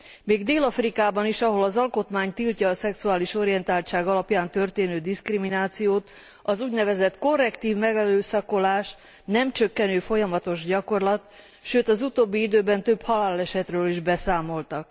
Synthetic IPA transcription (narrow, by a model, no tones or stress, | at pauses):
meːɡd̪eːlɒfrikaːbɒniʃɒɦo̞lɒzɒlko̞t̪maːɲt̪ilcɒːsɛksuaːliʃo̞ɾijɛnt̪aːlt͡ʃaːɡɒlɒpjaːnt̪ø̞rt̪eːnøːd̪iskriminaːt̪sijoːt̪ | ɒzuːɟnɛvɛzɛt̪ko̞rːɛkt̪iːvmɛɡɛløːsɒko̞laːʃ | nɛmt͡ʃøkːɛnøːfo̞jɒmɒt̪o̞ʒɟɒko̞rlɒt̪ | ʃøːt̪ɒzut̪oːbːiid̪øːbɛnt̪øphɒlaːlɛʃɛt̪røːliʒbɛsaːmo̞lt̪ɒk